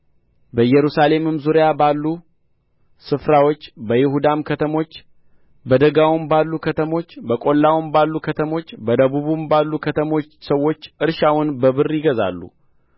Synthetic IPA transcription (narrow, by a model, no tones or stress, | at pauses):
bəjɛɾusale̞mɨmzuɾijabalːu | sɨfɾawot͡ʃːbəjɪhud̪amkʰət̪ʰəmo̞t͡ʃː | bəd̪əɡawʊmbalːukʰət̪ʰəmo̞t͡ʃːbəkʼo̞lːawʊmbalːukʰət̪ʰəmo̞t͡ʃːbəd̪əβuβumbalːukʰət̪ʰəmo̞t͡ʃːsəwːo̞t͡ʃːʔɨɾʃawʊnbəβɨrːjɪɡəza̰lːṵ